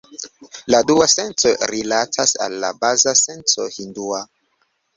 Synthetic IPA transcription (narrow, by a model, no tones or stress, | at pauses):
laduasensoɾilatʰasa̰lːa̰bazase̞nt͡so̰hindua